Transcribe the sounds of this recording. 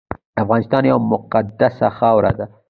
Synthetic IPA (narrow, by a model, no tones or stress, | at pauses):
afɣɑnɪst̪ɑːnjawmʊqad̪asaxɑwɾa̰d̪a